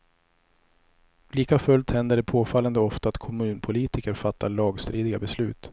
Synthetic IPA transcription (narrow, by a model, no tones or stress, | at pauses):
liːkafɵlt̪hɛnd̪əɖɛpʰoːfalːand̪əɔft̪aːt̪kʰɔmʉ̟ːnpʰʊliːt̪ɪkəɾfat̪ʰːaɭɑːɡst̪ɾiːd̪ɪɡabɛslʉ̟ːt̪